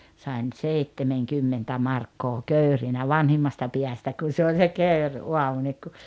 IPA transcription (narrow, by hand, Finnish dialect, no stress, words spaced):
sɑˑen seitːemeŋkymːentæ mɑrkːoː køyrinæ ʋɑnhimːɑstɑ piæstæ kun̞ se olʲ se køyrʔuɑmu niːk ku